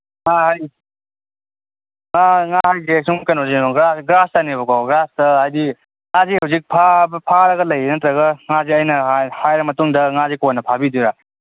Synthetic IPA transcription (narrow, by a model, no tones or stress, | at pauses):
ŋaɦaj | ŋaŋaɦajɡeksuŋmkanozinoɡɾasɡɾastanebɐkɔɡɾastɐɦajdi | ŋazihɐwzik̚pʰapʰaɾɐɡɐlɐjenɐtɾɐɣɐŋaziɐjnɐhajɾɐmɐtuŋdɐŋazikɔnːɐpʰabiduɾa